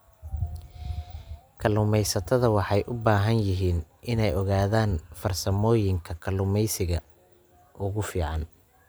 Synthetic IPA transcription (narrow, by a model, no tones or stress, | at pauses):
kʰɐlʊmɛjsɐt̪ʰɐðɐwɑħɑjʔʊbaːɦɐnjɪɦiːnʔɪnɛjʔɔɣaːðaːnfɐrsɐmɔːjɪŋkʰɐkʰɐlʊmɛjsɪɣɐ | ʔʊɣʊfiːʕɑn